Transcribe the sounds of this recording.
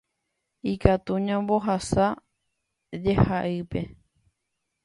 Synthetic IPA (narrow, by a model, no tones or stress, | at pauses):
ikat̪uɲãmbo̞ɦasa | d͡ʒehaʔɨpe̞